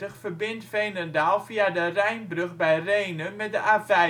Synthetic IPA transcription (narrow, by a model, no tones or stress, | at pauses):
əχfərbɪntfejnədaːlˠfiadərɛjnbrɵχbɛjrejnəmɛt̚dəʔavɛ